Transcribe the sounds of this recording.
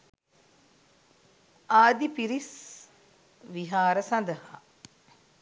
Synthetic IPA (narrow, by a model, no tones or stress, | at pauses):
aːd̪ipiɾis | ʋiɦaːɾəsãnd̪əha